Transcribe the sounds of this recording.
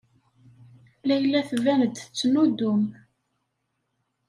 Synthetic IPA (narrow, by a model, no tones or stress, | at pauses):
læjəlːæθvænəd̪ət͡sːnud̪ʊm